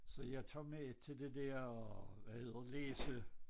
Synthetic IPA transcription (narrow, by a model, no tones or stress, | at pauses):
sɒ̽jɑ̈ɪt͡sʰo̰met͡sʰe̝ld̥e̝d̥ɛɐɒʋæhe̝ð̞̰ˠɐ̥leːsə